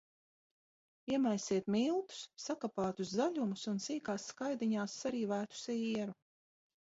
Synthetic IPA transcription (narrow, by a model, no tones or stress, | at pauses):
iɛmajsiɛt̪milˠt̪u̥sːakapaːt̪uzzaʎʲumusunsiːkaːsːkajd̪iɲaːsːaɾiːvæːt̪u̥siɛɾu